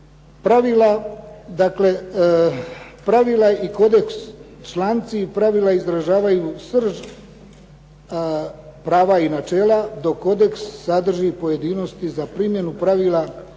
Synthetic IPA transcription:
pɾaʋilad̪akle̞ | pɾaʋilˠaiko̞d̪e̞ks | t͡ʃlant̪sipɾaʋilˠaizɾaʒaːʋajuːsr̩ʒ | pɾaːʋainat͡ʃe̞ːlad̪o̞kːo̞d̪e̞ksːad̪r̩ʒipo̞je̞d̪iːno̞st̪izapɾimje̞nupɾaʋiːlˠa

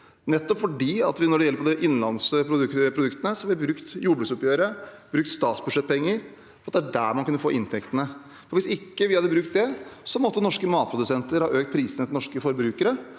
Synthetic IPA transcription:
nɛt̪ːɔpfɔɖiːɑ̰t̪ʋɪnɔɖɛjɛlːɾpʰɔd̪ɛʔɪnːlɑnspʰɾʊd̪ʉkpʰɾʊd̪ʉkt̪ənəsɔhɑʋɪʋɪbɾʉkt̪juːbɽʉsʊpjøːɾəb̥ɾʉkt̪st̪ɑːt̪sbʉd̪ʂɛt̪ːpʰɛŋːəɾ | ffɔɾɑt̪̚d̪ææɖæːɾmɑnkʉnːəfo̰ːʔɪnt̪ʰɛkt̪ənə | fɔɾʋɪsɪkːəʋɪhɑd̪əbɾʉk̚t̪̚d̪ɛsɔmɔt̪ːənɔʂkəmɑːt̪̚pʰɾʊd̪ʉsɛnt̪əɾhɑ̰ːʔøːkt̪pʰɾiːsənət̪ɪnɔʂkəfɔɾbɾʉːkəɾə

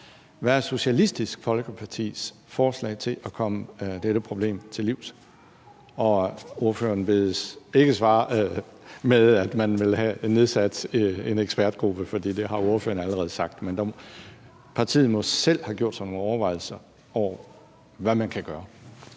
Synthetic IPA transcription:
ʋæɐso̝ɕælisd̥isɡ̥fɒ̽lɡ̥əpʰɑ̈t͡sʰḭːs | fɒːslɛ̰ɪt͡sʰe̝lʔɒkʰɒ̽məd̥eɾ̥əpʰʁo̝b̥le̝̰ːmt͡sʰe̝liʊ̰s | ɒ̽o̝ɐfø̰ɐnbeðˠəse̝ɡ̥əsʋɑ̈ː | meðˠæd̥mænʋe̝lɦæne̝ð̞ˠsæd̥eneɡ̥sb̥æɐd̥̚ɡ̥ʁub̥əfɒ̽d̥ḭːd̥e̝ɦɑ̈o̝ɐfø̰ːɐnæləʁɛð̩ˠsɑ̈ɡ̥̚d̥mend̥ɑ | pʰɑ̈t͡sʰḭːð̩ˠmɒ̽sel̰hɑɡ̥jo̝ɐ̰d̥sɑno̝ːŋɒʊɐʋɑ̈ɪ̰l̩sɐ | ɒʊ̰ɐ | ʋæmænkʰæɡ̥ɶːɐ

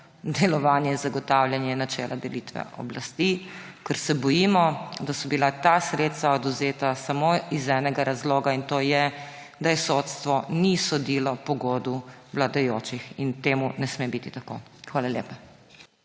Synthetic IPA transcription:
d̪ɛlɔʋaːnjɛinzaɡɔt̪aːwljanjɛnat͡ʃɛːlʔad̪ɛlit̪ʋɛ̰ʔɔ̰blast̪ikɛɾsɛbɔjiːmɔd̪asɔbilat̪asɾet̪st̪ʋaɔd̪uzeːt̪asamoizɛnɛɡaɾazloːɡaint̪oːjɛ | d̪ajɛsot̪st̪ʋɔnisɔd̪ilɔpɔɡoːd̪uʋlad̪ajoːt͡ʃixint̪eːmunɛsmebit̪it̪ako̰ː | xʋaːlalʲjḛːpa

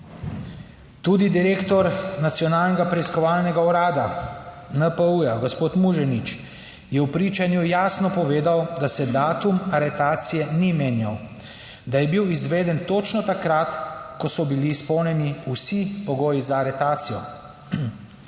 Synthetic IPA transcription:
t̪ud̪id̪iɾeːkt̪ɔɾnat̪sjɔnaːlnɛɡapɾɛiskɔʋaːlnɛɡaɔɾaːd̪a | nəpəujaɡɔspoːt̪muʒɛnit͡ʃ | jɛwpɾiːt͡ʃanjujaːsnɔpɔʋeːd̪awd̪asɛd̪aːt̪umaɾɛt̪aːt̪sijɛnimeːnjaw | d̪ajɛbiwizʋeːd̪ɛnt̪ot͡ʃnɔt̪akɾat̪kɔsɔbilispɔwnʲɛniusipɔɡoːjizaːɾɛt̪aːt̪sijɔ

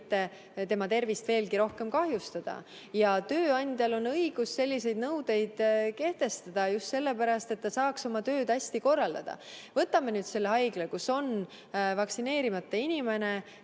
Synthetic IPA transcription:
t̪ːˑe | t̪e̞mɑt̪e̞rvist̪ve̞ːlkiɾo̞hke̞mkɑɦjust̪ɑd̪̥ɑ̰ | jɑt̪øːɑnʲd̪̥ʲjɑlo̞nɤjɡ̥usːelʲːise̞jd̪̚nɤwd̪̥e̞jd̪̥ke̞ht̪e̞st̪ɑd̪̥ɑjust̪se̞lːe̞pæɾɑst̪e̞t̪ːɑsɑːkso̞mɑt̪ø̞ːd̪̥æsʲt̪iko̞rːɑld̪̥ɑd̪̥ɑ̰vɤt̪ːˑɑme̞nyːd̪̥se̞lːeɑjɡ̥lekuso̞n | vɑksine̞ːɾimɑt̪ːeinʲime̞ne̞

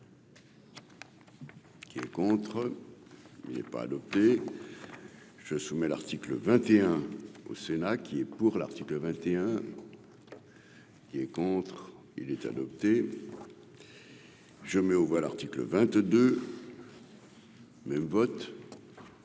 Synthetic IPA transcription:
kʲiɛ̰kɔ̃t̪χ | inɛ̰pa̰ːd̪ɔp̚t̪e | ʒəsumɛla̰ʁt̪ikləvɛ̃t̪eɛ̃o̰senakʲʰiɛpuʁla̰ʁt̪ikləvɛ̃t̪eɛ̃ | kʲiɛkɔ̃t̪χ | ḭlɛt̪a̰d̪ɔp̚t̪e | ʒəmɛovwala̰ʁt̪iklə̰vɛ̃t̪d̪ø | mɛmvɔt̪

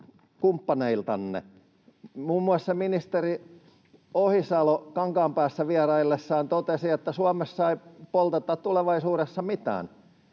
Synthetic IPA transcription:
kumpːɑneilt̪ɑnːḛ | muːmːuɑsseminist̪eri | ohisɑlokɑŋkɑːmpæːsːæʋiærɑilːesːɑːnt̪ot̪esiet̪ːæsuɑmessɑipolt̪et̪ːɑtt̪uleʋɑisuːɾesːɑmit̪æ̰ːn

